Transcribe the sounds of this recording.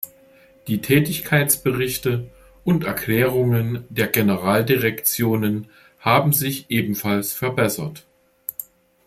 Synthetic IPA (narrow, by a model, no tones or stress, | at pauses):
d̥iːtʰɛːtɪçkʰaɪt͡sb̥əʁɪçtə | ʔʊntɛɐkl̥ɛːʁʊŋəndeːɐɡenəʁaːldiʁɛkt͡sjoːnən | haːbm̩zɪçʔeːbm̩falsfɛɐbɛsɐt